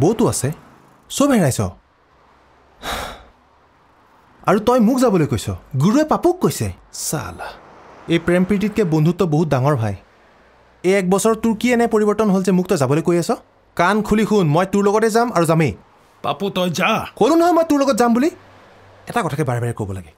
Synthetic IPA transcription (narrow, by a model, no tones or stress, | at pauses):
bowtʊasɛ | sobɦɛɹajsɔ̰ | a̰ɹutɔjmʊkzabɔlojkojsɔ̰ɡuɹuɛpapukːojsɛ̰sa̰l | ejpɹɛmpit̬it̚kɛbondʱutɔboɦut̚daŋɔɹbʱaj | eɛk̚bɔsɔɹɔtʊɹkiɛnɛpoɹibɔɹtɔnɦolzɛmʊk̚tɔjzabɔlojkojasɔ | kankʰulikʰxʊnmɔjtʊɹloɡɔtɛzamaɹuzame | pa̰putɔjzakolunɔɦɔjmɔjtʊɹloɡɔt̚zambuli | ɛtakɔtʰakɛbaɹɛbaɹɛkobɔlaɡɛ